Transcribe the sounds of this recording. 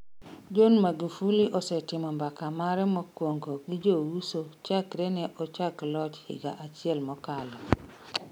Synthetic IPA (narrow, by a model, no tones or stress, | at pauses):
d͡ʒonmaɡifuliʔɔsɛtɪmɔmbakamaɾɛmɔkwoŋɡoɡid͡ʒowusot͡ʃakɾɛnɛʔɔt͡ʃaklɔt͡ʃhɪ̰ɡa̰ʔat͡ʃɪɛlmɔkalɔ